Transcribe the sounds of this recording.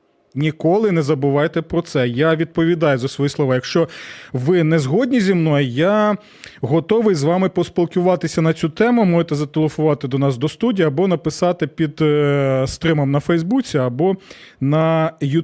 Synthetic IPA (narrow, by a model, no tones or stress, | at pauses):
nʲikɔlˠɪnɛzɐbʊʋɑjet̪ɛpɾɔt̪sɛjaʋʲid̪̚pɔʋʲid̪ɑjʊzɐsʋɔjislˠɔʋɑjɐkʃt͡ʃɔʋɪnɛzɦɔdʲnʲizʲimnɔjʊja | ɦɔt̪ɔʋɪjzʋɑmɪpɔspʲilˠkʊʋɑt̪ɪsʲɐnɐt͡sʲut̪ɛmʊmɔʒet̪ɛzɐt̪elˠefʊʋɑt̪ɪd̪ɔnɑsd̪ɔst̪udʲijiɐbɔnɐpɪsɑt̪ɪpʲid̪st̪ɾɪmɐmnɐfɛjzbut͡sʲiɐbɔnɐju